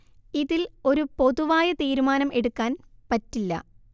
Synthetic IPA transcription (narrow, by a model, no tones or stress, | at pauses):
iðilo̞ɾupo̞ðuʋaːjɐt̪iːɾumaːnɐme̞ɽukːaːnpɐtːilːɐ̰